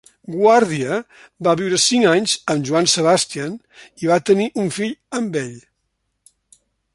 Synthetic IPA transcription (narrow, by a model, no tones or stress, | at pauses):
ɡwaɾðiə | baβiwɾəsiŋaɲzəmʒuansəβast̪ian | iβat̪əniʔuɱfiʎəmbɛʎ